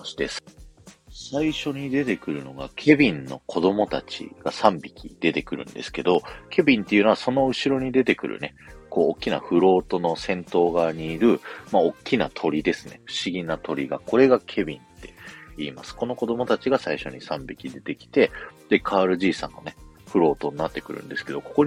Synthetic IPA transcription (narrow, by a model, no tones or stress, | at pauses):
ɕi̥d̪esɨ̥ | saiɕo̞ɲ̟id̪e̞t̪e̞kɯ̟ɾɯ̟no̞ɡa̰kʲʰe̞bʲĩnːo̞̰kʰo̞d̪o̞mo̞t̪at͡ɕḭɡ̥asãmbʲikʲid̪̥e̞t̪e̞kɯ̟ɾɯ̟̰̃nd̪e̞sɨ̥ke̞d̪o̞kʰe̞bʲĩnt̪e̞iɯ̟noaso̞no̞ɯ̟ɕiɾo̞ɲ̟id̪e̞t̪e̞kɯ̟ɾʔɯ̟̰ne̞ko̞ːkʲːina̰ɸɯ̟ɾo̞ːt̪o̞no̞sẽ̞nt̪o̞ːɡaɲ̟iːɾɯ̟maokʲːina̰t̪ʰo̞ɾʲid̪e̞sɨ̥ne̞̰ɸɯ̟̥ɕiɡʲinat̪o̞ɾʲiɡako̞ɾe̞ɡakʰe̞bʲĩnt̪e̞iːmasɨ̥ko̞no̞ko̞d̪o̞mo̞t̪at͡ɕiɡasaiɕo̞ɲ̟isãmbʲikʲid̪e̞t̪e̞kʲi̥t̪e̞d̪̥e̞kʰaːɾɯ̟ʑiːsã̰nːo̞ne̞ɸɯ̟ɾo̞ːt̪o̞ɲ̟inat̪ːe̞kɯ̟ɾɯ̟̰̃nd̪e̞sɨ̥ke̞d̪o̞ko̞̥ko